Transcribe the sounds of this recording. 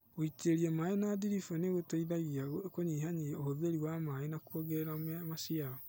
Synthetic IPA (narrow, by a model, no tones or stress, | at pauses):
oiteɾiemaːenadiɾifoneɣotaiðaɣiakoɲiːɦaɲiohoðueɾiwamaenakwoɡɛɾammaʃiaɾɔ